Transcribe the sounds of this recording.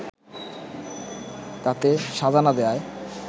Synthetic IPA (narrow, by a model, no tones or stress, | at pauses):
t̪at̪eʃad̪ʱanad̪eae